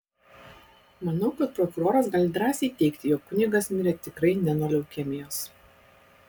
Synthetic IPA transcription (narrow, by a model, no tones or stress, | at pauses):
mɐnɐʊkɐt̪̚pɾɔkʊɾoːɾɐsɡɐːlʲɪd̪ɾɑːsʲɛɪt̪ʲɛɪkt̪ʲɪjoːkkʊnʲɪɡɐsmʲɪɾʲɛt̪ʲɪkɾɐɪnʲɛnɔlʲɛʊkʲɛmʲɪjoːs